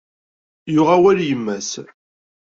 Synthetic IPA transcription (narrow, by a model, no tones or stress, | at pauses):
jʊʁæwæljəmːæs